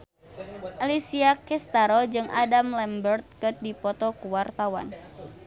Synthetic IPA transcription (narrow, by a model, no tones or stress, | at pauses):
ʔalisiakɛst̪aɾɔd͡ʒɨŋʔa̰damlɛmbərt̪̚kət̪̚dipɔt̪ɔkuwart̪awa̰n